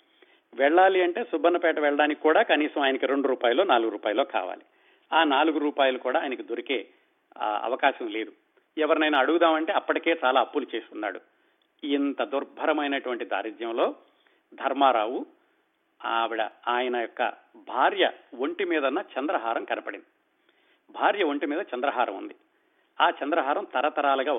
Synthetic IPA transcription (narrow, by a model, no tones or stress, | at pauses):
ʋɛɭːaːliɐɳʈe̞ːsubʱɐnːɐpɛːʈɐʋɛɭːɐɽaːnikʲikuːɽaːkɐniːsɐmaːjɐnɐkiɾe̞ɳɖuɾuːpaːjɐlːo̞ːnaːluɡuɾuːpaːjɐlːo̞ːka̰ːʋa̰ːli | aːnaːluɡuɾuːpaːjɐlukuːɽaːjɐnɐkid̪oɾikeː | ɐ̰ʋɐkaːʃɐmle̞ːd̪u | ɛʋɐɾinɐjnaːɽuɡud̪aːmɐɳʈe̞ːɐpːɐʈike̞ːt͡ʃaːlaːɐpːulut͡ʃe̞ːst̪unːa̰ːɽṵ | int̪ɐd̪uɾbʱɐɾɐmɐjnɐʈuʋɐɳʈid̪a̰ːɾid͡ʒ̪jɐmlo̞ː | d̪ʱɐɾmaːɾaːwu | aʋiɽɐ̰aːjɐnɐjɔkːɐ̰ | bʱaːɾjɐ̰ʋoɳʈimiːd̪ɐnːat͡ʃɐnd̪ɾɐɦaːɾɐmkɐnɐpɐɽind̪i | bʱaːɾjɐʋoɳʈimiːd̪ɐt͡ʃɐnd̪ɾɐɦaːɾɐmṵnd̪i | aːt͡ʃɐnd̪ɾɐɦaːɾɐmt̪ɐɾɐt̪ɐɾaːlɐɡaː